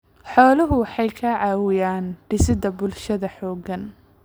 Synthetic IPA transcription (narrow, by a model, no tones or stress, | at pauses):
ħɔːlɐɦʊwɑħɑjkʰɐʕaːwɪjaːnɖ̥ɪsɪd̪ɐbʊlʃɐðɐħɔːɡɐn